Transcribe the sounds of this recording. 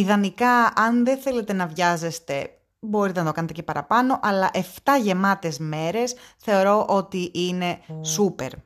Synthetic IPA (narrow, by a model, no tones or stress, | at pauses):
iðɐnikɐɐnðeθe̞le̞t̪e̞nɐvʝɐze̞st̪e̞ | bo̞ɾit̪e̞nɐt̪o̞kɐnet̪ecepɐɾɐ̰pɐno̞ʔɐlɐʔe̞ft̪ɐʝe̞mɐt̪e̞zme̞ɾe̞sθe̞oɾo̞ʔot̪iʔine̞supe̞̰ɾ